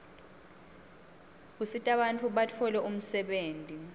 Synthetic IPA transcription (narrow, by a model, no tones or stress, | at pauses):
k̬usitʼaɓantʰʼuɓatʰɔlɛʔum̩sɛɓeːntʼi